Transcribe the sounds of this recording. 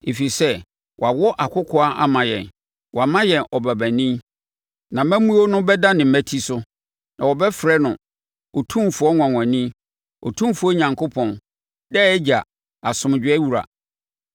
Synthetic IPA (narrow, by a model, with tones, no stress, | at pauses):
e˨fi˨sɛ˦ | wɔ˨a˨wɔ˦ʔa˨kʰʊ˦kʰɔ˦a˦ʔa̰˦mã˨jɛ̰̃˨n | wɔ˨a˨mã˦jɛ̃˨nʔɔ˨bæ˨bæ̃˨nĩ˦ | nã˨mæ̃˦mũ˦o˦nʊ̃˦bɛ˦da˦nɪ̃˨m̩˨mæ˦tʰi˦sʊ˦ | nã̰˨wɔ˨bɛ˦fɾɛ˦nʊ̃˨ | ɔ˨tʰũ˦mfʊ˨ɔ˦ŋʷã˨ŋã˨nĩ˦ | ɔ˨tʰũ˦fu˨˦ɔ˦ɲã˨ŋkʰo˦pʰɔ̃˨n | dɛ˦ɛ˦d͡ʑa˨ | a˨sʊ̃˨m˨d͡ʑᶣɪ˦ɛ˦wu˨ɾa̰˨